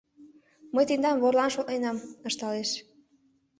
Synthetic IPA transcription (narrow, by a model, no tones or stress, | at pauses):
məjt̪end̪ɑmβorlɑnʃoknenɑmə̆ʃt̪ɑleʃ